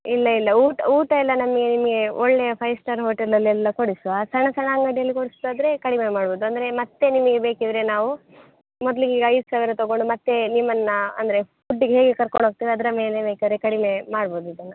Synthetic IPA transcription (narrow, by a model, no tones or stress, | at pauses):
ilːɐilːɐuːʈɐuːʈɐɛlːɐnɐmɐɡenimɐɡe̞ɔɭːejɐpʰɐjsʈɐɾɦo̞ːʈelːɐlːiɛlːɐkoɽisʋasɐɳɐsɐɳaːŋɡɐɽjɐlːikoɽisd̪aːd̪ɐɾe̞kɐɽimemaːɽboːd̪uɐnd̪ɐɾe̞mɐt̪ːe̞nimɐɡebe̞ːkid̪ɾe̞naːʋu | mɔd̪liɡiːɡɐjd̪usaːʋiɾɐt̪ɐɡoɳɖumɐt̪ːe̞nimːɐnːɐɐ̰nd̪ɐɾe̞ | uɖːiɡeɦeːɡekɐɾkoɳɖoːɡ̚t̪iːʋiɐd̪ɐɾɐmeːlebeːkid̪ɐɾekɐɽime̞maːɽbo̞ːd̪uid̪ɐnːɐ